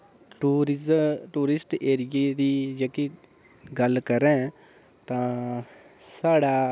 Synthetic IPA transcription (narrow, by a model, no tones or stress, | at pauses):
ʈː | ʈuːɾɪsʈeːɾɪjeːd̪iːd͡ʒəːki | ɡəlkəɾɛ̃ː | t̪ãː | saːɽaː